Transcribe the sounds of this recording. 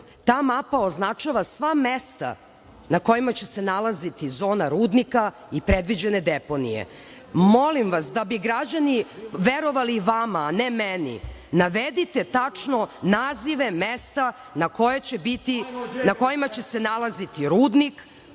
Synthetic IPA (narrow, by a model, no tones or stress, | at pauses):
t̪aːmapaoznat͡ʃaʋasʋamest̪a̰ | nako̞jimat͡ɕe̞senalazit̪izo̞ːnaɾuːd̪nika | ipɾed̪ʋid͡ʑened̪epo̞nḭjḛ | molimʋasd̪abiɡɾad͡ʑaniʋeɾo̞ʋaliʋamaːnemɛnḭnaʋed̪it̪et̪at͡ʂnonaːziʋe̞mest̪a | nako̞jet͡ɕebit̪inako̞jimat͡ɕe̞senalˠazit̪iɾuːd̪nik